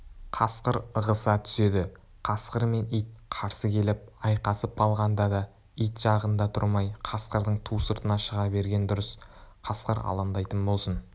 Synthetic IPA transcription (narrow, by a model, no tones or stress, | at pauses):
qʰɑsqəɾəʁəsɑt̪ʰʏ̥se̞d̪ɪ | qʰɑsqəɾme̞nijt̪̚qʰɑɾsəkʲʰe̞lɪp̚ɑjqɑsəp̚qɑlˠʁɑnd̪ɑd̪ɑ | ijt̪ʒɑʁənd̪ɑt̪ʰʊ̰ɾmɑjqʰɑsqəɾd̪əɴt̪ʰusəɾt̪ənɑʃəʁɑbe̞ɾɡʲe̞nd̪ʊɾəsqʰɑsqəɾɑ̰lˠɑnd̪ɑjt̪ənbo̞lˠsən